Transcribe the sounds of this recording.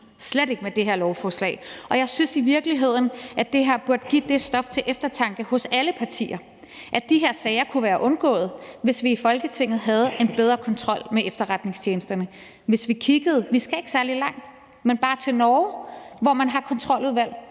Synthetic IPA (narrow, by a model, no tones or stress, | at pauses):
sleɾe̝ɡ̥əmed̥e̝ɦeɐ̰lɒʊfɒːslɛ̰ɪʔɒ̽jɑ̈ɪsynsiʋiɐɡ̥liɦe̝ð̞̰ˠn̩ʔæd̥e̝ɦæɐ̰b̥uɐd̥əɡ̥ḭːd̥e̝sd̥ɒ̽ft͡sʰe̝ʔefd̥ɐt͡sʰɑ̈ŋɡ̥əhɔ̽sæləpʰɑ̈t͡sʰḭːɐ | ʔæd̥iɦe̝ɐsɛːɪɐkʰuʋæːɐʔɔ̽nɡ̥ɔ̰ːð̞̩ˠʋe̝sʋiːfɒ̽lɡ̥ət͡sʰe̝ŋ̰ð̞̩ˠɦæð̞̩ˠe̝nb̥eð̞ˠʁɐkʰɒ̽nt͡sʰʁɒ̽l̰meʔefd̥ɐʁad̥ne̝ŋst͡ɕʰjeːnəsd̥ɐnə | ʋe̝sʋikʰiɡ̥əð̩ˠʋisɡ̥æe̝ɡ̥sæɐlilɑ̈ŋ̰d̥ | menb̥ɑ̈ːt͡sʰe̝lnɒːʊʋɒmænɦɑ̈kʰɒ̽nt͡sʰʁɒ̽l̰uðˠʋæl̰